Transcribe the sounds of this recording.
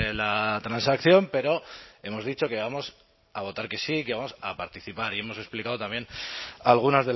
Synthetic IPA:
elat̪ɾansakθjo̞mpe̞ɾo̞e̞mo̞zðit͡ʃo̞ke̞β̞amo̞s | aβ̞o̞t̪aɾke̞siːke̞βamosapaɾt̪iθipaɾie̞mo̞se̞splikaðot̪ambje̞nalɣ̞unazðe

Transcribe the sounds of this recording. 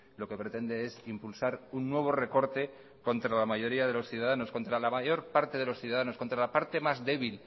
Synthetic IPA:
lo̞ke̞pɾe̞t̪e̞nd̪e̞esimpulsaɾunːwe̞β̞o̞re̞ko̞ɾt̪e̞ | ko̞nt̪ɾalamaʝo̞ɾiaðe̞lo̞sθjuðaðano̞sko̞nt̪ɾalamaʝo̞ɾpaɾt̪e̞ð̞e̞lo̞sθjuðaðano̞sko̞nt̪ɾalapaɾt̪e̞mazðe̞β̞il

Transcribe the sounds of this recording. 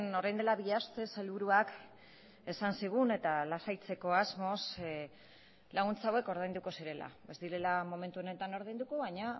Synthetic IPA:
no̞ɾajnd̪e̞laβiast̪e̞se̞lβuɾuak | e̞sansiɣ̞une̞t̪alasajt͡se̞ko̞azmo̞s | laɣunt͡sawe̞ko̞ɾð̞ajnd̪uko̞siɾe̞la̰βe̞zd̪iɾe̞lamo̞me̞nt̪uo̞ne̞t̪ano̞ɾð̞ajnd̪uko̞βajɲa

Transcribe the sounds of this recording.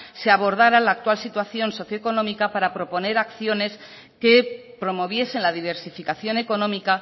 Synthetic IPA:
se̞aβo̞ɾðaɾalaːk̚t̪walsit̪waθjo̞nso̞θjoeko̞nõ̞mikapaɾapɾo̞po̞ne̞ɾakθjo̞ne̞s | ke̞ | pɾo̞mo̞β̞je̞se̞nlaðiβ̞e̞ɾsifikaθjo̞ne̞ko̞nõ̞mika

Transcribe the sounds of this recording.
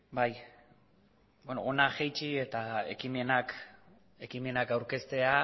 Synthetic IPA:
baj | benoonaxejt͡ʃie̞t̪aḛkime̞nak | e̞kime̞nakawɾke̞st̪e̞a

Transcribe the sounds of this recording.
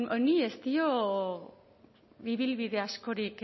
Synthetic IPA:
oniest̪io | βiβilβiðe̞asko̞ɾik

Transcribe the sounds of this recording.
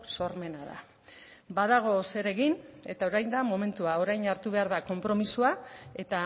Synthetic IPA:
so̞ɾme̞naða̰ | baðaɣ̞o̞se̞ɾe̞ɣine̞t̪ao̞ɾajnd̪amo̞me̞nt̪uao̞ɾajnaɾt̪uβ̞e̞aɾðako̞mpɾo̞misuae̞t̪a

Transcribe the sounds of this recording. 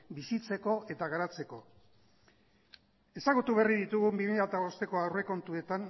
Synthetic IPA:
bisit͡se̞ko̞e̞t̪aɣaɾat͡se̞ko̞ | e̞saɣut̪uβe̞riðit̪uɣumbimiʎat̪aβo̞st̪e̞ko̞awre̞ko̞nt̪ue̞t̪an

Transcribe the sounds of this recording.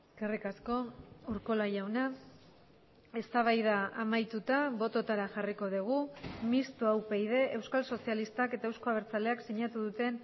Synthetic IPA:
eskerikasko̞uɾko̞laʝawna | e̞st̪aβ̞ajð̞aamajt̪ut̪aβo̞t̪o̞t̪aɾaʝariko̞ðuɣ̞umist̪uawpe̞jðe̞ʔewskalso̞sialist̪ake̞t̪aewsko̞aβeɾt͡sale̞aksiɲat̪uðut̪e̞n

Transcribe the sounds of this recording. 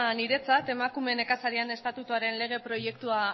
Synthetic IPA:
niɾe̞t͡sat̪e̞makume̞ne̞kasaɾiane̞st̪at̪ut̪uaɾe̞nle̞ɣ̞e̞pɾo̞je̞k̚t̪ua

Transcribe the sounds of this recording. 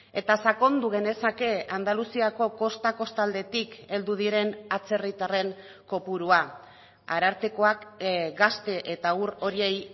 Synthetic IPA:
e̞t̪asako̞nd̪uɣe̞ne̞sake̞and̪alusiako̞ko̞st̪ako̞st̪ald̪e̞t̪ike̞ld̪uð̞iɾe̞nat͡se̞rit̪are̞ŋ | ko̞puɾua | a̰ɾaɾt̪eko̞akɡast̪e̞ʔet̪auɾo̞ɾie̞j

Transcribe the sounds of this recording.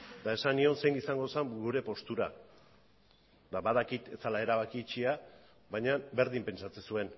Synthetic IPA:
t̪ae̞sanio̞nse̞ŋisaŋɡo̞saŋɡuɾe̞po̞st̪uɾa | d̪aβaðakit̪e̞t͡salae̞ɾaβakit͡ʃia | βaɲabe̞ɾðimpe̞nsat͡se̞sue̞n

